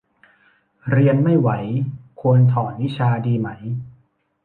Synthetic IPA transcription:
ɾi˧ənma˥˩jwa˩˦jkʰu˧ənt̪ʰɔː˩˦nwi˦˥t͡ɕʰaː˧diː˧ma˦˥j

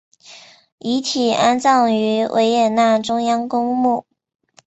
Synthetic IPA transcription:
i˧˥t̪ʰi˨˩a˥nt͡sɑ˥˩ŋy˧˥wʔḛ˧˥ɪjɛ˨˩na˥˩ʈ͡ʂʊ˥ŋjɑ˥ŋkʊ˥ŋmu˥˩

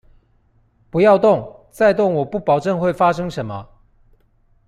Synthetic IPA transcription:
pu˨˦jɑ˥˧ʊt̪ʊ˥˨ŋt͡sa˥˧ɪt̪ʊ˥˩ŋwɔ˨˩pu˥˩pɑ˨˩ʊʈ͡ʂə˥˧ŋxwe˥˨ɪfa˥ʂɤ˥ŋʂə˨˦nmɐ˦

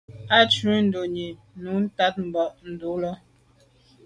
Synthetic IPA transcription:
a˦t͡ʃʉ˨˦n̩˦do˨ɲi˨ | nu˨˦n̩˦ta˦t̚m̩˨bɔ˨ʔn̩˨du˨˦lɔ˦

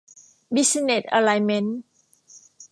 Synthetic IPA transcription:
bi˦˥si˧ne˨˩t̪̚ʔa˧la˧jme˦˥n

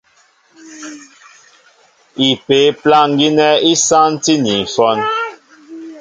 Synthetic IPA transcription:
i˨pe˨˦pla˦ŋ˦ɡi˦nɛ˦i˦sa˦n˦ti˦ni˨fɔ˦n

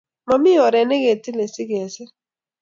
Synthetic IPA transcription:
ma˨mɪ˦jɔ˨ɾɛ˨ne˦ɡe˨ti˦le˨sɪ˦ɡɛ˨sɛ˦

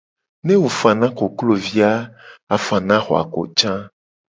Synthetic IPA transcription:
nẽ˦wo˨fa˨nã˦ko˨klo˦˨vi˦a˦a˨fa˨nã˦xɔ˨a̰˨ko̰˨t͡ʃã˦

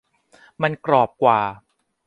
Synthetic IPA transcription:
ma˧nkɾɔː˨˩p̚kwaː˨˩

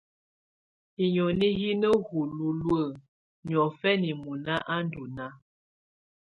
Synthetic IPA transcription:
i˨ɲo˨ni˦ɣi˦nə˦hu˨lu˨lwə˨ | ɲɔ˨fɛ˦ni˨mu˨na˦ʔa˦ndu˨na˦

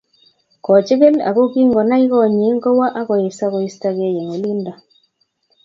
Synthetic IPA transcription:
kɔ˨t͡ʃe˦ɣe˦la̰˨ɣo˦ki˦ŋɡɔ˨na˦i˦ɣɔ˦˨ɲe˨˦ŋɡɔ˦wa˦ʔa˦ɣɔ˨je˨sa˦ɣo˨i˦sta˦ɣe˦je˨ŋo˨li˦nda˨

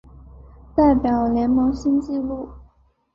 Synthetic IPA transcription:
t̪a˥˩ɪpjɑ˨˩ʊljɛ˧˥nmɤ˧˥ŋɕi˥nt͡ɕi˥˧lu˥˩

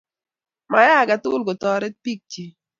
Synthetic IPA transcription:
ma˨ja˦˨ɡa˨t̪ʊ˦lɡɔ˨t̪ɔ˨ɾɛ˦t̚pi˦k̚t͡ʃi˨

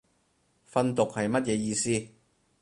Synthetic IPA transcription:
fɐ˧nt̪ʊ˨k̚hɐ˨jmɐ˥t̚jɛː˨˧jiː˧siː˥˧

